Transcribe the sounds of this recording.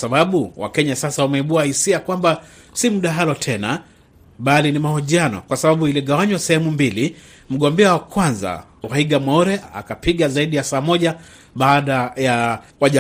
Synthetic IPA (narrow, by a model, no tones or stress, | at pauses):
saɓaɓuwa̰kɛɲasasawamɛiɓuahisiakwamba | simuɗaɦalɔtʰɛna̰ | ɓalinimahuʄianɔ̰kwasaɓaɓuiliɡawaɲwasɛhɛmumbili | m̩ɠɔmbɛawakwanza̰ | waiɡamɔɾɛa̰kapiɠazaiɗijasaːmɔʄa | ɓaːɗajawaʄa